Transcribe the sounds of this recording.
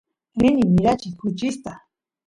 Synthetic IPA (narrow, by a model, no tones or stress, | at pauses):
inimiɾat͡ʃikut͡ʃist̪a